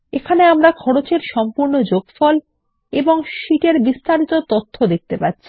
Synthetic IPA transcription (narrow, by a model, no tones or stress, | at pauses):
ekʰaneamɾakʰɔɽot͡ɕeɾʃɔmpuɾnod͡ʑoɡfɔl | eboŋʃiʈeɾbist̪aɾit̪ot̪ot̪ʰːod̪ek̚ʰt̪epatːɕʰi̥